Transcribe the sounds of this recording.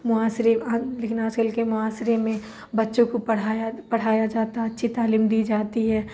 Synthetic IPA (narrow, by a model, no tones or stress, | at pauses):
mʊaːsɾealeːkɪnaːd͡ʒkɐlkemʊaːsɾemẽ | bɐtːʃõkopɐɽ̤aːjapɐɽ̤aːjad͡ʒaːt̪aɐtːʃʰit̪aːliːmd̪iːd͡ʒaːt̪iɦɛː